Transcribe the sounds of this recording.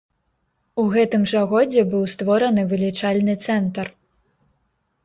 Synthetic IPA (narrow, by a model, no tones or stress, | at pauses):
uɣɛt̪ɨmʐaɣɔd͡zʲɛbɨwst̪vɔɾɐnɨvɨlʲit͡ʂalʲnɨt̪sɛnt̪ɐr